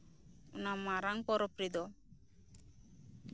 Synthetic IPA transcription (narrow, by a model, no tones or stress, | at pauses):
ṵnamaɾaŋpɔɾɔpɾid̪ɔ